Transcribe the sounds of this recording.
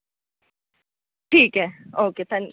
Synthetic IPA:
tʰiːkʼɛoket̪ʰɛ̃n

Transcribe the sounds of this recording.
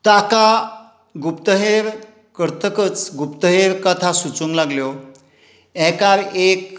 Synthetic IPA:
t̪aka | ɡupt̪əɦeɾ | kəɾt̪ʰəkət͡sɡupt̪əɦeɾkət̪ʰasut͡suŋɡlaɡljɔ | ɛkaɾek

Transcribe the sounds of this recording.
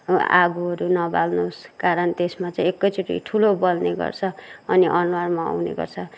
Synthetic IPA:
a̰ɡuɦʌɾunʌbalnoskaɾʌnt̪esmat͡saĩekːʌjt͡sʰuʈḭʈʰulobʌlneɡʌ̰rt͡sʰʌʌniʔʌnwarmaa̰wnḛɡʌ̰rt͡sʰʌ

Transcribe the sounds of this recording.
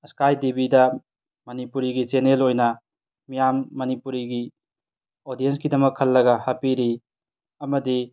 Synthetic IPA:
skajdibidɐ | mɐnipuɾiɡisenelojnɐ | mijamːɐnipuɾiɡi | odijenskidɐmɐkʰːɐlːɐɡɐhapiɾi | ɐmɐdi

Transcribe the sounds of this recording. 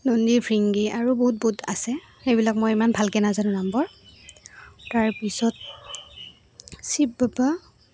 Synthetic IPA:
nondipʰɹiŋɡiʔaɹuboɦut̚buta̰sɛ | xejbilak̚mɔjimanbʱalkɛnazanʊ̃nambɔɹ | taɹpisɔt̚ | sibaba

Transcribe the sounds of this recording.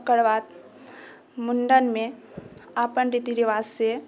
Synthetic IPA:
kəɽʋaːt̪ | mʊnɖənmẽ | apənɾit̪iɾiʋaːsːe

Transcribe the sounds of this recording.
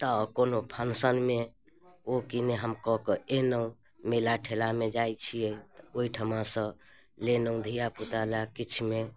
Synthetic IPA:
t̪əkonopʰənsənme | okineɦəmkɔkəenəũ | melaʈʰelamed͡ʒajt͡ʃʰieioiʈʰəmãsə̃ | lenəũd̪ʱijaput̪alakit͡ʃʰme

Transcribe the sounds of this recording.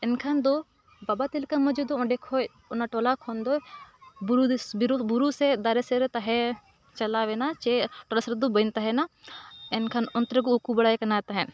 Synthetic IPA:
ɛnkʰand̪ɔ | babat̪ilkamɔd͡ʒud̪ɔɔ̃ɖɛkʰɔj | ɔnaʈɔlakʰɔnd̪ɔbuɾbɾbuɾusɛd̪aɾɛsɛɾt̪aɦɛ | t͡ʃɐlaʋɛnat͡ʃɛʈɔlasɾd̪ɔbənt̪aɦɛnaɛnkʰanɔnt̪ɾɛɡuukubɐɽajkɐnat̪aɦɛn

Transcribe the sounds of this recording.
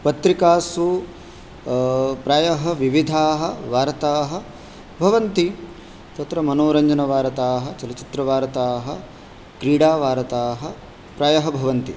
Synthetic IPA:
pɐt̪ɾikaːsu | pɾaːjɐɦɐʋiʋid̪ʱaːɦɐ̆ʋaːɾɐt̪aːɦɐ̆ | bʱɐʋɐnt̪i | t̪ɐt̪ɾɐmɐnoːɾɐɲd͡ʒɐnɐʋaːɾɐt̪aːɦɐ̆t͡ʃɐlɐt͡ʃi̥t̪ɾɐʋaːɾɐt̪aːɦɐ̆ | kɾiːɽaːʋaːɾɐt̪aːɦɐ | pɾaːjɐɦɐbʱɐʋɐnt̪i

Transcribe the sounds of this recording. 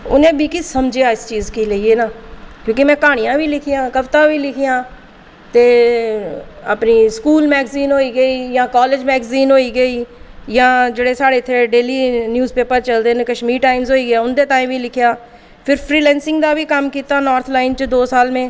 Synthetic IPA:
ʊ̰nẽːbʱiːkisəmd͡ʒejaːɪst͡ʃiːzkiləiːeːnaːkjõːkɪmɛ̃ːkaːɽ̃ijãːʋiːlɪkʰijãːkəʋt̪ãːʋiːlɪkʰijãː | t̪eː | a̰ːpniːskuːlmɛːɡziːnɦoːiːɡəiːjãːkaːleːd͡ʒmɛːɡziːnɦoːiːɡəiːjãːd͡ʒeːɽeːsaːɽeːt̪ʰːeːɖeːliːnjuːzpeːpəɾt͡ʃəld̪eːneːkəʃmiːɾʈaːɪmzɦoːiːɡɪjaːʊnd̪eːʈ̪aːimʋiːlɪkʰjaː | pʰɪɾpʰɾiːlɛ̃ːnsɪ̃ŋɡd̪aːʋiːkəmkiːt̪aːnɔːɾt̪ʰlaːɪnt͡ʃd̪oːsaːlmẽː

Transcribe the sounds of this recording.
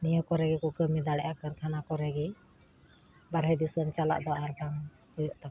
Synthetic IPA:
nijəkɔɾɛɡɛkɔkəmid̪aɽɛʔakəɾkʰanakɔɾɛɡɛ | baɾɦɛd̪isəmt͡ʃala̰ʔd̪ɔaɾbaŋ | hɔjɔʔt̪a

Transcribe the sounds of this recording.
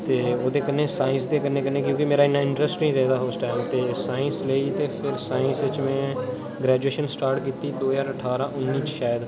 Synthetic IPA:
t̪eːoːd̪eːkəɾnesaːɪ̃nsd̪eːkəɾnẽkənẽkjõːkimeːɾaɪnːaɪ̃ɳʈɾəsʈnĩːɾɛɦd̪aɦoːsʈɛːlt̪esaːɪ̃nsleːit̪epʰɪɾsaːɪ̃nsʋɪt͡ʃmẽː | ɡɾɛːd͡ʒueːʃənsʈaːɾʈkiːt̪id̪oːɦəzaːɾəʈʰaːɾãʔʊnːiːt͡ʃʃaːjəd̪

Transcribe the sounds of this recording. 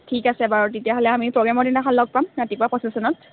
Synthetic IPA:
tʰikasɛbaɹutetiaɦɔlɛamipɹɔɡɹamɔɹdinaxɔllɔɡ̚pamnatikuapɔsisɔnɔt

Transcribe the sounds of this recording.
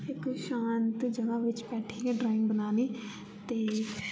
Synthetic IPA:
ɪkʃaːnt̪d͡ʒəʋãːʋɪt͡ʃpɛːʈʰːiːkeːɖɾaːɪ̃ŋɡbənaːniː | t̪eː

